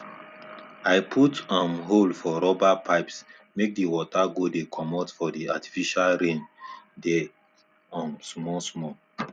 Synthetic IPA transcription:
aɪpʰutãmɦolfɔɾɔbapʰaɪps | mek̚diwɔtʰaɡodekʰɔmɔtfɔdiati̥fiʃalɾẽndɛ | ɔ̃nsmɔsmɔ

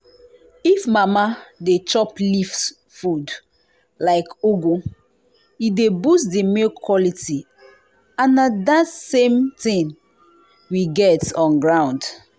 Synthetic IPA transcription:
ifmamadet͡ʃɔplifs | fud | laɪkoɡo | idebusdemelkʰwɔliti | ãnːadatsẽmtĩn | wiɡɛtɔ̃nɡɹãʊ̃nd

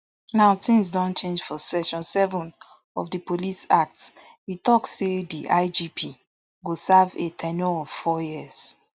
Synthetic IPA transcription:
naʊtĩmsdɔ̃nt͡ʃẽnd͡ʒfɔsɛʃɔ̃nsɛvɔ̃n | ɔfdipolisak̚t | itɔksːedḭʔaɪd͡ʒipʰi | ɡosavetʰɛnɔɔvfɔjiz̥

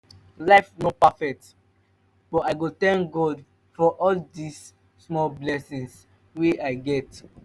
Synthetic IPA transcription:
laɪfnɔpafɛk̚t | b̥ɔtaɪɡutɛ̃nkɡɔd | fɔʔɔldisː | mɔlblɛsĩŋs | weaɪɡɛt

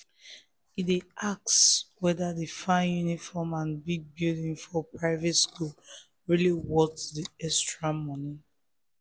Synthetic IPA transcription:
ideak̚swɛdadifãnjunifɔmãnbiɡ̚bildĩŋfɔpɹaɪvɛtskul | ɹiliwɔtsdiɛstɹamɔni

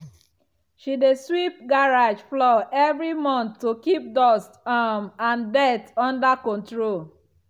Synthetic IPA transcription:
ʃideswip̚ɡaɹad͡ʒflɔʔɛvɹimɔ̃nθːokip̚dɔstamãndɛtɔ̃ndakɔ̃ntɹol

